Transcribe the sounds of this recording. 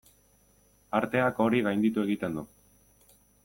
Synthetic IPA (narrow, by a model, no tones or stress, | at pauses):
aɾt̪e̞ako̞ɾiɣajnd̪it̪ue̞ɣit̪e̞nd̪u